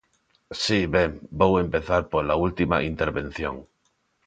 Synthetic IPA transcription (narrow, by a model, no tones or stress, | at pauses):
siβembowe̞mpe̞θaɾpoɾlault̪ima̰ʔint̪e̞ɾβe̞n̟θjo̞̰ŋ